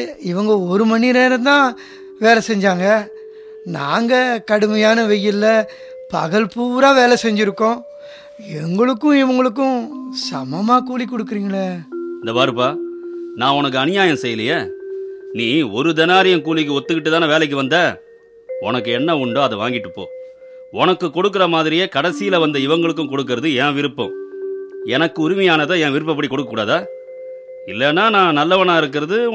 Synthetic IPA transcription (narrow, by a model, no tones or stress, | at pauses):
ɪʋɐŋɡɐɔɾɯmɐnːɪɾeːɾɐnd̪ãː | ʋeːlɐsɛɲd͡ʒaːŋɡɐ | naːŋɡɐkɐɽɯmɐjaːnɐʋɛjːɪlːɐ | pɐ̰ɣɐɭpuːɾaːʋeːlɐsɛɲd͡ʒɪɾɯkːõː | ɛŋɡɐɭɯkːʊ̃ɪʋɐŋɡɐɭɯk̬ːʊ̃sɐmɐmaːkuːlikːɔɽɯkːɯɾiːŋɡɐɭɐɪnd̪ɐpaːɾɯpːaːnãːɔnɐk̬ːɯɐnɪjaːjɐ̃msɛjːɐlɐjɐ | niːɔɾɯd̪ɛnaːɾɪjɐmkuːlɪk̬ːɯɔt̪ːɯkːɪʈːɯt̪ːaːnɐʋeːlɛɪk̬ːɯʋɐnd̪ɐː | ɔnɐkːɯɛnːɐʊɳɖoːɐðɛʋaːŋɡɪʈːɯpːo̰ː | ɔnɐkːɯkːɔɽɯk̬ːɯɾɐmaːðɪɾɪjeːkɐɽɐsɪjɪlɐʋɐnd̪ɐɪʋɐŋɡɐɭɯk̬ːʊ̃kɔɽɯkːɯɾɐðɯɛ̃ːʋɪɾɯpːʊ̰̃ | ɛnɐkːɯʊɾʊmɐjaːnɐt̪ãːjɛ̃ːʋɪɾɯpːɐpːɐɽikɔɽɯkːɐkːuːɽaːðaː | ɪlːɛːnːaːnãːnɐlːɐpɐɳãːɪɾɯk̬ːɪɾɐðɯ